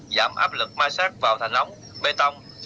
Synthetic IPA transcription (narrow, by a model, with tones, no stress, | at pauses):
za̰ː˧˩mʔaː˦˥p̚lɨ˨˩k̚maː˧jsaː˦˥k̚vaː˨˩wt̪ʰa˨˩jŋ̟t̪ə˨˦wŋ͡m | ɓe˧t̪ə˧wŋ͡m